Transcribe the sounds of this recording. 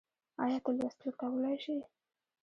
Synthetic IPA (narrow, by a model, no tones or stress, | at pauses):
a̰jɑt̪alast̪ulkawəlajʃi